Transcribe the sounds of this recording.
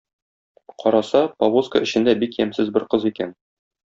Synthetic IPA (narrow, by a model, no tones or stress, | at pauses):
qɒɾɑsɑpɐwoskə̰ɘ̆ɕɘ̆nd̪æbikjæmsɘzbɘɾqɤzikæn